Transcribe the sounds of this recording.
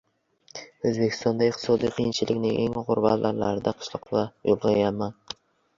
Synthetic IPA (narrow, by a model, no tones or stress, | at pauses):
ɵzbe̞kʲʰɪst̪ɒnd̪aɪqt̪ʰɪ̥sɒd̪ijqʰijɪnt͡ʃʰɪlɪkʲnɪŋʔe̞ŋʁʊɾba̰t̪lʔaɾla̰ɾɪd̪aqʰɨ̥ʃlˠɒqvajolˠʁɑjaman